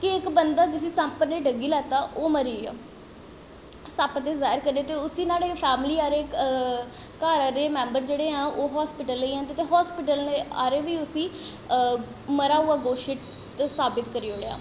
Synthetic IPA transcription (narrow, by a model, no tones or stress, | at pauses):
kɪɪkbənd̪aːd͡ʒɪs̬ĩːsə̃mpəneːɖəɡiːlɛːt̪aːʔoːməɾiːɛ̰ː | sapt̪eːzaːɪɾkəɾneːt̪eːʊsĩːnaːɽeːpʰɛːmliːaːɾeː | kaːɾaɾeːmɛ̃ːmbəɾd͡ʒeːɽeːɦãːʔoːɦɔːspɪʈəlːəiːɛ̃nd̪et̪eːɦɔːspɪʈəlnea̰ːɾeːʋiːʊsĩː | məɾaːɦuaːɡoːʃɪʈ | t̪saːbɪt̪kəɾiːoːɽeːa̰ː